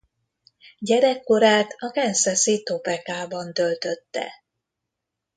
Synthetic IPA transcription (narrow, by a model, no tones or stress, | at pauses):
ɟɛɾɛkːo̞ɾaːt̪ɒkɛnsɛsit̪o̞pɛkaːbɒnt̪ølt̪ø̞t̪ːɛ̰